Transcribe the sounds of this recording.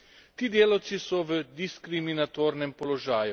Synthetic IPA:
t̪iːd̪eːlɔwt̪sisɔʋəd̪iskɾiminat̪oːɾnɛmpɔlɔʒaːju

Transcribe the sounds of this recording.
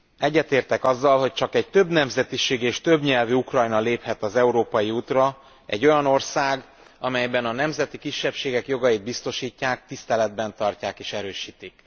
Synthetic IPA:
ɛɟːɛt̪eːrt̪ɛkɒzːɒlho̞c̚t͡ʃɒkɛɟ̚t̪ø̞bnɛmzɛt̪iʃeːɡeːʃt̪øbɲɛlviukrɒjnɒleːphɛt̪ɒzɛuɾoːpɒjiuːt̪rɒ | ɛ̰ɟːo̞jɒno̞rsaːɡ | ɒmɛjbɛnɒnɛmzɛt̪ikiʃːɛpʃeːɡɛkjo̞ɡɒjid̪̚bist̪o̞ʃiːcːaːk̚t̪ist̪ɛlɛd̪bɛnt̪ɒrcaːkeːʃɛɾøːʃiːt̪ik

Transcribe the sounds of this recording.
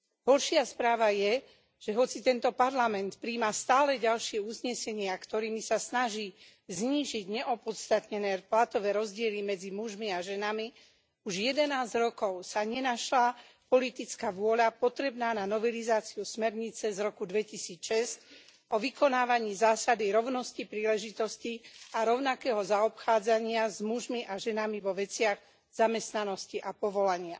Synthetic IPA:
ɦɔɾʃɪaspɾaːʋajɛ | ʒ̥ɛɦɔt͡sit̪ɛnt̪ɔpaɾlamɛnt̪pɾiːmast̪aːlɛɟalʃɪɛuzɲɛsɛɲɪakt̪ɔɾiːmisasnaʒiː | zɲiːʒiɟɲɛʔɔpɔt̪st̪at̪ɲɛnɛːplat̪ɔʋɛːɾɔzɟɪɛlimɛd͡zimuʒmiaʒɛnami | uʒjɛd̪ɛnaːzɾɔkɔʊsaɲɛnaʃlapɔlit̪it͡skaʋʊɔʎapɔt̪ɾɛbnaːnanɔʋɛlizaːt͡siusmɛɾɲit͡sɛzɾɔkud̪ʋɛcisiːt͡sʃɛsc | ɔʋikɔnaːʋaɲiːzaːsad̪iɾɔʊnɔscipɾiːlɛʒit̪ɔsciaɾɔʊnakɛːɦɔzaɔpxaːd͡zaɲɪazmuʒmiʔaʒɛnamiʋɔʋɛt͡sɪaɣ | z̥amɛst̪nanɔsciʔapɔʋɔlaɲɪa

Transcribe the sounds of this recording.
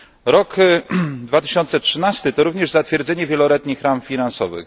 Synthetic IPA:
ɾɔk | d̪vat̪ɘɕɔnt̪sɛtʂɘnast̪ɘt̪ɔɾuvɲɛʐzat̪fʲjɛɾd̪zɛɲɛvʲjɛlɔlɛt̪ɲixɾamfʲinansɔvɘ̰x

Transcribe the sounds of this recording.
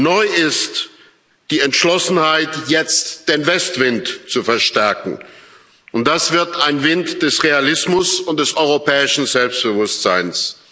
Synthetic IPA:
nɔʏɪst | d̥iːɛntʃlɔsn̩haɪtjɛt͡std̥eːnvɛstv̥ɪntt͡sufɛɐʃtɛɐkŋ̩ | ʔʊnt̚d̥asv̥ɪɐtaɪnvɪntd̥ɛsʁealɪsmʊsʊnt̚d̥ɛsɔʏʁopʰɛːɪʃn̩zɛlpst̚b̥əvʊstz̥aɪns

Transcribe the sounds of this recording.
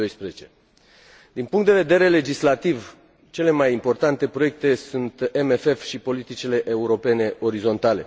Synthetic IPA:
ojspɾezet͡ʃe̞ | d̪inpuŋkt̪d̪e̞ve̞d̪e̞ɾe̞le̞d͡ʒislat̪iv | t͡ʃe̞le̞majimpo̞rt̪ant̪e̞pɾo̞jek̚t̪e̞sunt̪emefe̞fʃipo̞lit̪it͡ʃile̞ʔeuɾo̞pe̞ne̞ʔo̞ɾizo̞nt̪ale̞̰

